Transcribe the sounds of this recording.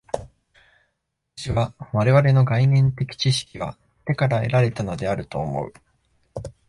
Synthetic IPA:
aat̪ḁɕiβaβaɾe̞βaɾe̞no̞ɡainẽ̞nt̪e̞kʲi̥t͡ɕiɕi̥kʲiβa̰ | t̪e̞kaɾae̞̰ɾaɾe̞t̪ano̞d̪e̞aɾɯ̟t̪o̞̰ːmo̞̰ɯ̟̰

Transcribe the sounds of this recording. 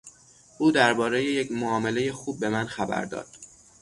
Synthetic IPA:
ʔuːd̪æɾbɒːɾe̞jejecʰmoɒːme̞le̞jexuːb̚ːe̞mænxæbæ̰ɾd̪ɒ̰ːd̪̥

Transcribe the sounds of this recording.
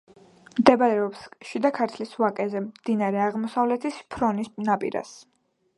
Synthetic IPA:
md̪ɛbaɾɛɔpsʃid̪akʰaɾt̪ʰlisvakʼɛzɛmd̪̥inaɾɛaʁmɔsavlɛt̪ʰispʰɾɔnisnapʼḭɾa̰s

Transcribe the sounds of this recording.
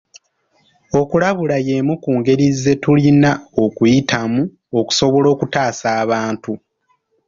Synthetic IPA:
o̞kulaβulajemukuːŋɡe̞ɾizːe̞tulinao̞kujitʰamu | o̞ku̥so̞βo̞lo̞ːkutaːsaːβaːntu

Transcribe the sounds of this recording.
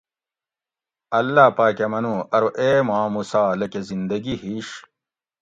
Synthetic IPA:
ɐlːaːpaːkɐmɐnuɐɾuʔeːmaːmusaːlɐkezind̪ɐɡihiɕ

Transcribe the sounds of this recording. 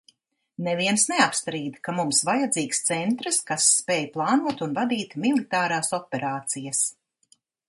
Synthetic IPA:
neviɛnsneapst̪ɾiːd̪kamumsvajad̪ziːkst̪sɛnt̪ɾɨskasːpɛːjplˠɑːnuɔt̪unvad̪iːt̪milˠit̪aːɾaːsɔpʲɛɾaːt̪sijas

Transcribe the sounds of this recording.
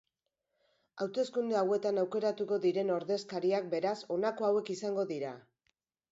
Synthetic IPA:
awt̪e̞skund̪eawe̞t̪anawke̞ɾat̪uko̞ðiɾe̞no̞ɾðe̞skaɾiak̚be̞ɾaso̞nako̞awe̞kisaŋɡo̞ðiɾa

